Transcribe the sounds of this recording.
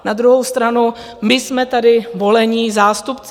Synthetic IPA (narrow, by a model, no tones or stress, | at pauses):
nad̪ɾuɦo̞wst̪ɾanu | mɪsmɛt̪adɪvo̞lɛɲɪzaːst̪upt͡s